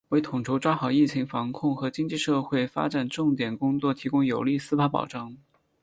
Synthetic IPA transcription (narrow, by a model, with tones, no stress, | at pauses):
we˥˧ɪt̪ʰʊ˨˩ŋʈ͡ʂʰo˧˥ʊʈ͡ʂwa˥xɑ˨˩ʊi˥˩t͡ɕʰi˧˥ŋfɑ˧˥ŋkʰʊ˥˩ŋxɤ˧˥t͡ɕi˥ŋt͡ɕi˥˧ʂɤ˥˧xwe˥˩ɪfa̰˥ʈ͡ʂa˨˩nʈ͡ʂʊ˥˩ŋt̪jɛ˨˩nkʊ˥ŋt͡swɔ˥˩t̪ʰi˧˥kʊ˥ŋjo˨˩ʊli˥˩sɹ̩˥pʰa˥pɑ̰˨˩ʊʈ͡ʂɑ˥˩ŋ